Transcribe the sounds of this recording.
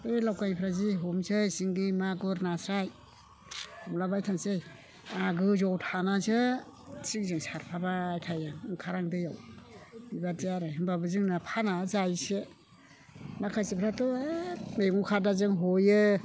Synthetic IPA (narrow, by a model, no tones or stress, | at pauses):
ɯjlawkajpʰɾaziɦomsɯjsiŋɡimaɡɯɾnasɾaj | hɔmlabajtʰansɯj | aɡɯzɔwtʰanazɯtʰikzɯŋsaɾpʰabaːjtʰajaŋŋkʰaɾaŋdɯjaw | ibadijaɾɯɦɯmbabɯzɯŋnapʰanazajse | makʰajsipʰɾatɔmeŋukʰadazɯŋɦojɯ